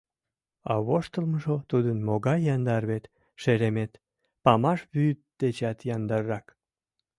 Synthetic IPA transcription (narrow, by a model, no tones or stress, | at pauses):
ɑβoʃt̪əlməʒot̪ud̪ənmoɣɑjːɑnd̪ɑrβet̪ | ʃeɾemet̪ | pɑmɑʃβyt̪̚d̪̥et͡ɕɑt̪jɑnd̪ɑɾɾɑk